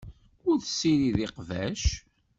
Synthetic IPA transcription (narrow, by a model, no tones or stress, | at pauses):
ʊɾθə̥sːiɾiðɪqvæʃ